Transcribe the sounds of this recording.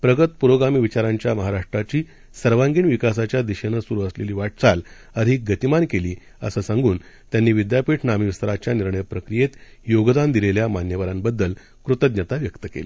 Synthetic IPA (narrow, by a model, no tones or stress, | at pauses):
pɾəɡət̪puɾoɡamiːʋit͡ɕaɾaɲt͡ɕjaməɦaɾaʂʈɾat͡ɕiː | səɾʋãŋɡiːnʋikasat͡ɕjad̪iɕenəsuɾuːəsleliːʋaʈ̚t͡sal | əɾʱiːk̚ɡət̪imankeliː | əsəsãŋɡuːn | t̪janːiːʋid̪japiːʈʰnamiʋst̪əɾat͡ɕjaniɾɳəjəpɾəkɾijet̪ | joɡd̪and̪ileljamanjəʋaɾambəd̪ːəl | kɾut̪əd̪nət̪aʋjəkt̪əkḛlḭː